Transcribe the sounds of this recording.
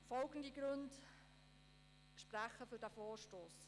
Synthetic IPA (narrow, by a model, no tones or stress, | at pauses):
fɔlɡən̩diɡɾɵnd | ʃpɾæχəfydæfoːʃtoːs